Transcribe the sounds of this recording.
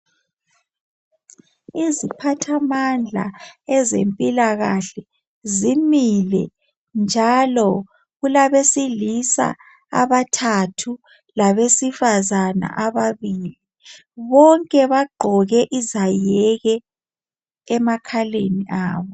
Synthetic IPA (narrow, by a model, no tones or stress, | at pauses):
izipʰatʰamand͡ɮʱa̰ɛzḛmpʼilaɣaɬɛ | zimilɛ̰ | nd͡ʒʱalɔ | ɣulaβesilisa̰ | a̰βatʰatʰu | laβesifazana̰ʔaβaβiːli | βɔŋkʼɛβaɡ͡ǃʱɔɣɛʔizajɛɣɛ | makʰaleniʔaːβɔ